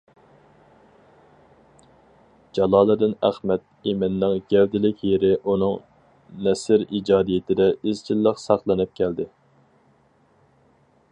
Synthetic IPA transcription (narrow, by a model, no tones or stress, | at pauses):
d͡ʒɑlˠɑːlˠɨd̪ɨnæχmɛt̪̚ | imɪnːɪŋɡʲɛwd̪ɪlɪkʲʰjeɾɪʔunɨŋ | nɛsɪɾid͡ʒɑːd̪ijɪt̪ʰɪd̪ɛɪzt͡ʃʰilˠːəqsɑχlˠɨnɨp̚kʲʰɛld̪ɪ